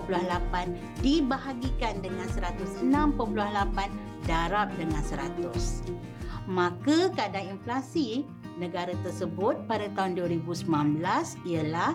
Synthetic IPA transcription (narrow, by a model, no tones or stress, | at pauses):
puluahlapan | dibaɦaɡikandəŋãnsəɾat̪ʊsənãmpəpuluahlapan | daɾap̚dəŋãnsəɾat̪ʊs | mãkəkadaŋinflasi | nə̃ɡaɾat̪ərsəbʊt̪̚padat̪aunduəɾibusəmãnbəlasiəla